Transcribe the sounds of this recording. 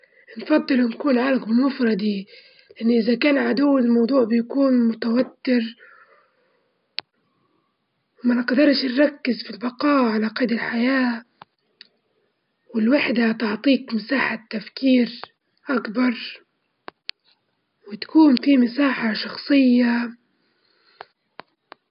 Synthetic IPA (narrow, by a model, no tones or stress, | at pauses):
nfɑd̪ˤːɨlnkuːnʕaːlakbɪmʊfɾˤɑd̪i | lɪʔanːʔɪzakaːnʕad̪uwːɪlmɑwd̪ˤuːʕbɪjakuːnmʊt̪awat̪ːɪɾ | wɪmanɪqd̪ɑɾˤʃnɾˤɑkːɪzfilbɑqɑːʕalaqɑjd̪ɪlħajaː | wɪlwaħd̪at̪ɪʕt̪ˤiːkmɪsaːħat̪ːafkiːɾ | ʔakbɑɾˤ | wɪt̪ḁkuːnfimɪsaːħaʃɑxsˤɨjːa